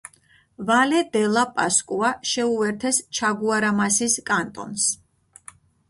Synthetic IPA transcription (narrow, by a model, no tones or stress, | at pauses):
valɛd̪ɛlˠapʼaskʼuaʃɛuvɛɾt̪ʰɛst͡ʃʰaɡuaɾamasiskʼant̪ʼɔ̰ns